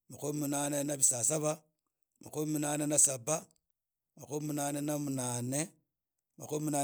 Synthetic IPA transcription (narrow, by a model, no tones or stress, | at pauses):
makumimunanenaβisaːsaβa | makumiminaːnenasaba | makumimunaːnenamunaːne | ma̰kumiminaː